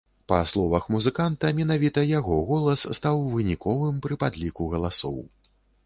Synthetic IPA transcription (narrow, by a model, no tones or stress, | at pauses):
pɐslˠɔvɐxmuzɨkant̪ɐmʲinavʲit̪ɐjaɣɔɣɔlˠɐsːt̪awvɨnʲikʰɔvɨmpɾɨpad̪lʲikuɣɐlˠasɔ̰w